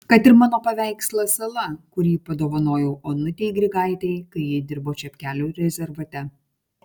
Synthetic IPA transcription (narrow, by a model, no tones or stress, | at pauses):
kɐt̪ɪɾmɑːnoːpɐʋʲæˑɪkslˠɐsɐlˠɐkʊɾʲiːpɐd̪oːʋɐnoːjɛʊʔoːnʊt̪ʲɛɪɡɾʲɪɡɑˑɪt̪ʲɛɪkɐɪjiːd̪ʲɪɾboːt͡ʃʲɛpʲkʲæːlʲuːɾʲɛzʲɛɾʋɐt̪ʲɛ